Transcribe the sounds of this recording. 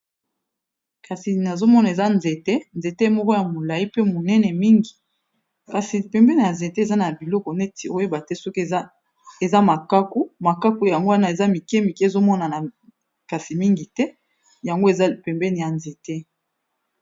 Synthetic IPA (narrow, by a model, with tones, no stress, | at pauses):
ka˨si˨na˨zo˦mɔ˦na˨e˨za˦nze˨tɛ˦nze˨te˦e˨˦mɔ˦kɔ˦ja˨mo˨la˨ji˦pe˦mo˨nɛ˦nɛ˨mi˦ŋɡi˨ | ka˨si˨pɛ˨mbɛ˦ne˨ja˨nze˨te˦˨za˦na˨bi˨lɔ˦kɔ˨nɛ˦ti˨o˦e˦ba˨tɛ˦sɔ˦k | e˨za˦ma˨ka˦ko˦ma˨ka˦ko˦ja˨ŋɡo˦wa˦na˦e˨za˦mi˨kɛ˦mi˨kɛ˦˨zo˦mɔ˦na˨na˨ | ka˨si˨mi˦ŋɡi˨tɛ˦ | ja˨ŋɡo˦e˨za˦˨pɛ˨mbɛ˦ne˨ja˨nze˨tɛ˦